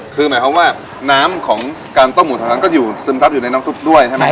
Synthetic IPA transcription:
kʰɯː˧maː˩˦kʰa˧˥waː˥˩ | naː˦˥mkʰɔː˩˦ŋ | kaː˧nt̪o˥˩mːu˨˩aː˧˩na˧˥ŋkɔ˥˩juː˨˩sɯː˧˦mt̪ʰa˦˥juː˨˩na˧jnaː˦˥msu˦˥˩p̚du˥˩əjt͡ɕʰa˥˩jma˦˥

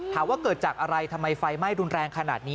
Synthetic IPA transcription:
t̪ʰaː˩˦waː˥˩kɤː˨˩t̪̚t͡ɕaː˨˩k̚ʔa˧ɾa˧jt̪ʰa˧mːa˧jfa˧jma˥˩jɾu˧nɾɛː˧ŋkʰa˧na̰ː˨˩t̪̚niː˦˥

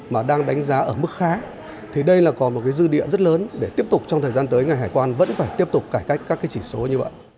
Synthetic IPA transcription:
maː˨˩ɗaː˧ŋɗa˨˦jŋ̟zaː˨˦ʔəː˧˩mɨ˦˥k̚xaː˨˦ | t̪ʰi˨˩ɗə˧jlaː˨˩kɔ˨˦mo˨˩kaː˨˦jzɨ˧ɗḭ˧˨əzə˦˥t̚ləː˨˦nɗe˧˩t̪i˦˥əp̚t̪ʊ˨˩k͡p̚t͡ɕɔ˧wt̪əː˨˩zaː˧nt̪əː˨˦jŋa˨˩jɦaː˧˩jkwaː˧nvə̰˧˥nfaː˧˩jt̪i˦˥əp̚t̪ʊ˨˩k͡p̚kaː˧˩jka˦˥jk̟̚kaː˦˥kːaː˨˦jt͡ɕi˧˩so˨˦ɲɨ˧və̰˧˨jʔ

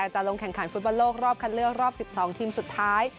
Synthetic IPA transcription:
k̚t͡ɕa˨˩lo˧ŋkʰɛ˨˩ŋkʰa˩˦nfu˦˥t̪̚bɔ˧nloː˥˩k̚ɾɔː˥˩p̚kʰa˧nlɯ˥˩ək̚ɾɔː˥˩p̚si˨˩p̚sɔː˩˦ŋt̪ʰiː˧msu˨˩t̪ʰːaː˦˥j

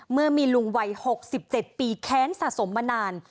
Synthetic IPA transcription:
mɯ˥˩ɐmiː˧lu˧˩ŋwa˧˩jho˨˩k̚si˨˩p̚t͡ɕe˨˩t̪̚piː˧kʰɛː˦˥nsa̰˨ʔso˩˦mːa˧naː˧n

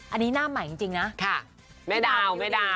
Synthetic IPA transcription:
ʔa˧nːiː˦˥naː˥˩ma˨˩˦t͡ɕi˧ŋt͡ɕi˧ŋna˦˥kʰa˥˩ | ma˥˩jdaː˥˩ma˥˩jdaː˧˩

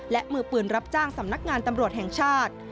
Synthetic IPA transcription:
lɛ˦˥ʔmɯː˨˩pɯː˨˩nɾa˦˥p̚t͡ɕaː˥˩ŋsa˩˦mna˦˥k̚ŋaː˧nt̪a˧mɾu˨˩ət̪̚hɛ˨˩ŋt͡ɕʰaː˥˩t̪̚

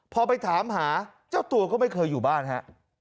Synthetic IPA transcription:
pʰɔː˧pa˧jt̪ʰaː˩˦mɦaː˩˦ | t͡ɕaː˥˩wt̪u˧ɐkɔː˥˩ma˥˩jkʰɤː˧jːuː˨˩aː˥˩nɦa̰˦˥ʔ

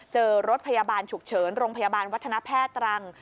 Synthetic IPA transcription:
t͡ɕɤː˧ɾo˦˥t̪̚pʰa˧ja˧baː˧nt͡ɕʰu˨˩k̚t͡ɕʰɤː˩˦nɾoː˧ŋpʰa˧jaː˧baː˧nwa˦˥t̪ʰːna˦˥pʰɛː˥˩t̪ːɾa˧ŋ

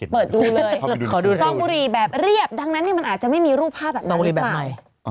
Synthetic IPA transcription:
pɤː˨˩t̪̚duː˧lɤː˧jkʰɔː˨˩˦duː˧t̪ɔ˥˩ŋbuː˧ɾiː˧˩bɛː˨˩p̚ɾi˥˩əp̚da˧ŋna˦˥nːiː˥˩ma˧nʔ̪̚ːt͡ɕa˨˩ma˥˩jmiː˧ɾuː˥˩pʰaː˥˩p̚bɛː˨˩nɔ˥˩˦bu˧ɾiː˧bɛː˨˩˥ma˨˩j

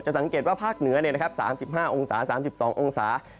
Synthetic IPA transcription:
t̚t͡ɕa˨˩ʔsa˩˦ŋkeː˨˩t̪̚waː˥˩pʰaː˥˩k̚nɯ˨˩˦ɐni˧˩na˦˥kʰa˦˥p̚sa̰ː˩˦msi˨˩p̚haː˥˩ʔo˧ŋsaː˩˦saː˩˦msi˨˩p̚sɔː˩˦ŋʔo˧ŋsaː˩˦

